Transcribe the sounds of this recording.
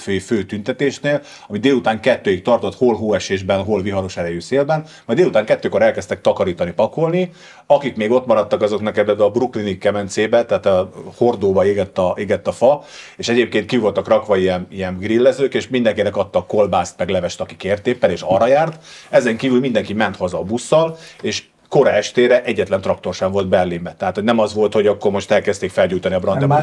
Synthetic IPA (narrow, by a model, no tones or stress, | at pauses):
føːføːt̪ynt̪ɛt̪eːʃneːl | ɒmid̪eːlut̪aːŋkɛt̪ːøːjik̚t̪ɒrt̪o̞t̪holɦoːɛʃeːʒbɛnɦo̞lʋiɦɒɾo̞ʃɛɾɛjyseːlbɛn | mɒjd̪eːlut̪aːŋkɛt̪ːøːko̞ɾɛlkɛst̪ɛk̚t̪ɒkɒɾiːt̪ɒnipɒko̞lni | ɒkikmeːɡo̞t̪mɒɾɒt̪ːɒkɒzo̞knɛkɛbɛbɛɒbruklinikːɛmɛnt̪seːbɛt̪ɛaːt̪ɒho̞rd̪oːbɒeːɡɛt̪ːɒeːɡɛt̪ːɒfɒeːʃɛɟeːp̚keːnt̪kivo̞lt̪ɒkrɒkʋɒijɛnijɛnɡrilːɛzøːkeːʃmind̪ɛŋkinɛkɒt̪ːɒkːo̞lbaːst̪mɛɡlɛvɛʃt̪ɒkikeːrt̪eːpːɛleːʃɒrːɒjaːrt̪ɛzɛŋkiːvylmind̪ɛŋkimɛnt̪hozɒːbusːɒleːʃ | ko̞ɾɒɛʃt̪eːɾɛʔɛɟːɛt̪lɛnt̪rɒk̚t̪o̞rʃɛɱvo̞ld̪bɛrlimbɛt̪ɛɦaːt̪ho̞ɟnɛmɒzʋo̞lt̪ho̞ɟɒkːo̞rmo̞ʃt̪ɛlkɛst̪eːkfɛlɟuːjt̪ɒniɒbrɒnɛma